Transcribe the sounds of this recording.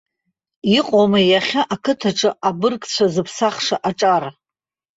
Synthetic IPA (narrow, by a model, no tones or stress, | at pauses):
iqʼomajaχʲaʔakʰɨtʰaʈ͡ʂʼɨabɨrkʼt͡ɕʷʰazɨpʰsaχʂaʔaʈ͡ʂʼara